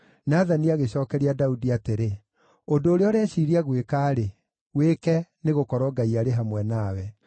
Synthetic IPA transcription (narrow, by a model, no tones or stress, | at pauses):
naðaniaɣeɕɔːkɛɾiadaudiateɾe | ondoːɾeɔɾɛʃiɾiaɣwekaːɾe | wekɛneɣokɔɾɔɡaiaɾeɦamwɛnawɛ